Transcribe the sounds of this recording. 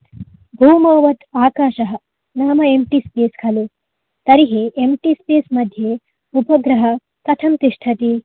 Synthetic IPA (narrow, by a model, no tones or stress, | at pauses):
bʱuːmɐːʋɐt̪aːkaːʃɐɦɐ | naːmɐemʈispeːskʰɐlu | t̪ɐɾiɦeʔemʈispeːsmɐd̪ʱje | upɐɡɾɐɦɐ | k̪ɐt̪ʰɐmt̪iʂʈʰɐt̪i